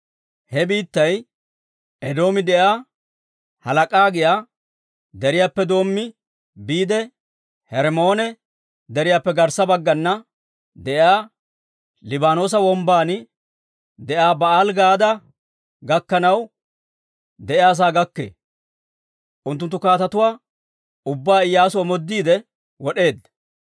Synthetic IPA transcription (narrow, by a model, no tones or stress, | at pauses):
hɛbiːt̪ːɐj | ɛd̪o̞ːmɪd̪ɛʔaː | hɐlɐkʼaːɡɪjaː | d̪ɛɾɪjaːpːɛd̪o̞ːmːɪ | biːd̪ɛ | hɛɾmo̞ːnɛ | d̪ɛɾɪjaːpːɛɡɐɾsɐbɐɡːɐnːɐ | d̪ɛʔaː | lɪbaːno̞ːs̬ɐwɔmbaːnɪ | d̪ɛʔaːbɐaːlɡaːd̪ɐ | ɡɐkːɐnɐw | d̪ɛʔɪaːs̬aːɡɐkːḛː | ʔʊnt̪̬ːʊnt̪ːʊkaːt̪ɐt̪ʊwaː | ʊbːaːɪjːaːsʊɐmɔd̪ːiːd̪ɛ | wɔɗe̞ːd̪ɐ